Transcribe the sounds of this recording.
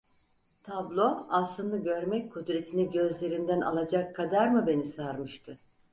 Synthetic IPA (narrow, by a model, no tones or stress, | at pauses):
t̪ʰablˠoassˠɯnd̪aɟøɾmɛc̚kʰud̪ɾe̞t̪ʰiniɟøzlʲe̞ɾind̪æna̰lˠad͡ʒakʰːad̪aɾmɯbe̞nisaɾmɯʃt̪ʰɯ